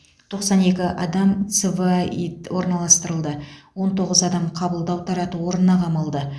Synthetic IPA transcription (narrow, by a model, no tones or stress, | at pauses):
t̪ʰo̞qsɑne̞kʲɪʔɑ̰d̪ɑmt̪seviwo̞ɾnɑlˠɑst̪əɾəlˠd̪əwo̞nt̪ʰo̞ʁəzɑd̪ɑmqʰɑbəlˠd̪ɑwt̪ʰɑɾɑt̪əwo̞ɾənːɑqʰɑməlˠd̪ə